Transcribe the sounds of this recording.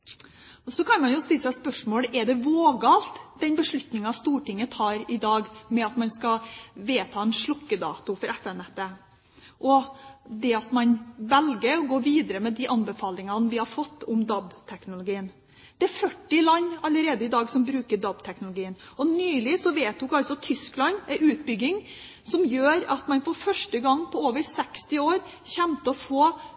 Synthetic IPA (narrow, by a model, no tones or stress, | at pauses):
sɔkʰɑnmɑnjʊst̪ɪlːəsæɪspœʂmoːləʔɛɖɛʋoːɡɑːlt̪d̪̥ɛnbəʂɭʉt̪nɪŋɑst̪uːʈɪŋːət̪ʰɑːɾɪd̪ɑːɡmɛɑt̪mɑnskɑʋeːt̪ʰɑːɛnʂɭʊkːəd̪ɑ̰ːt̪ʊfɔɾɛfɛnɛt̪ːə | ʔɔd̪ɛɑt̪mɑnʋɛlɡəɾɔɡoːʋiːd̪əɾəmɛd̪ɪʔɑnbəfɑːlɪŋɑnʋɪhɑɾfɔt̪ʰːʊmd̪ɑbt̪ʰɛknʊlʊɡiːən | d̪̥ɛæɾfœʈːɪlɑnːɑləɾeːd̪əɪd̪ɑːɡsɔmbɾʉːkəɖɑbt̪ʰɛknʊlʊɡiːənɔnyːlɪsɔʋeːt̪̚ʊkɑlsɔt̪ʰʏsklɑnɛʉːt̪bʏɡːɪŋ | sɔmjøːɾɑt̪mɑnfɔɾfœʂʈəɡɑŋːpʰɔoːʋəɾsɛkst̪ɪoːɾ | çɛmt̪əɔfoː